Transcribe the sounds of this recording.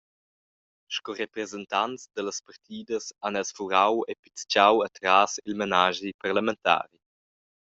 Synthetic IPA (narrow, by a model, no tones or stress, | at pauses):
ʃkɔɾepɾezɛnt̪ant͡sd̪ələspart̪ʰiːd̪əsanɛlsfuɾawepi̥t͡st͡ʃawat̪ɾaːsilmenaːʒiparlament̪a̰ːɾi